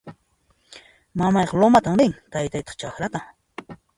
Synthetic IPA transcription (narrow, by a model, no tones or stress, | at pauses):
mamɑjqɑlomat̪aŋɾɪŋt̪ajt̪ajt̪ɑ̥χt͡ʃaxɾat̪a